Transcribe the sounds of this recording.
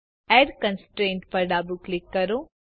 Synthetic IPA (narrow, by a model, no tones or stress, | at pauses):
ɛːɖkə̃nsʈɾẽːɳʈpɐɾɖaːbuklɪkːɐɾoː